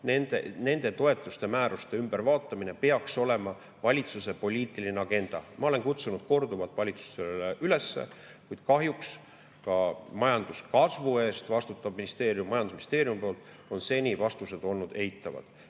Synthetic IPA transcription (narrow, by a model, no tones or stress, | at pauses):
nend̪̥ḛne̞nd̪̥e̞t̪o̞e̞t̪ːˑust̪e̞mæːɾust̪e̞ymb̥eɾvɑːt̪ˑːɑmine̞pe̞ɑkso̞le̞mɑ | vɑlʲit̪suse̞po̞lʲiːt̪ːˑilineɑɡ̥e̞nd̪̥ɑ̰mɑole̞ŋkut̪sunud̪̥̚ko̞rd̪uvɑt̪ːˑvɑlʲit̪su̥seleʔyle̞sːe̞̰ | kujd̪̥kɑɦjuks | kɑmɑjɑnd̪̥uskɑsvue̞ːst̪vɑst̪ut̪ːˑɑb̥minist̪e̞ːɾjumːɑjɑnd̪usminist̪eːɾjumpo̞ːlt̪ːˑ | o̞nse̞nʲivɑst̪use̞d̪̥o̞lnud̪̥e̞it̪ːˑɑvɑ̰d̪̥